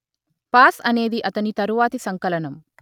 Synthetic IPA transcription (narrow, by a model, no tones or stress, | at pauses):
paːsɐne̞ːd̪iʔɐt̪ɐnit̪ɐɾuʋaːt̪isɐŋkɐlɐnɐm